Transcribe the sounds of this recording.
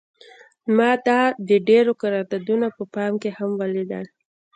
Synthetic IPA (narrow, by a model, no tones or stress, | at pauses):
mɑd̪ɑd̪əɖeɾokaɾɑd̪ad̪unapəpɑmkehamwalid̪a̰n